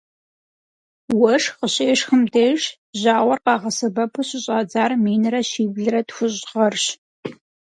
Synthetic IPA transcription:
wɐʂqəɕeːʂxəmtʰeːʂ | ʑaːʁʷɔrqɑːʁɐsɐbɐpʰɨɕɪɕʼɑːd͡zaːrmiːnɨɾɐɕiːbɮɨɾɐtxʷʊʑʁɐrɕ

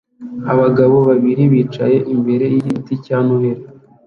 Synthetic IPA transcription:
aβaɡaβo̞βaβiɾiβiːt͡ʃa̰je̞ʔimbe̞ɾe̞jijiticaːnuhe̞ɾe

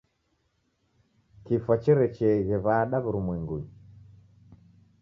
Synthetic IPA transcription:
kifwat͡ʃɛɾɛt͡ʃɛɣɛβaɗaβuɾumwɛŋɡuɲi

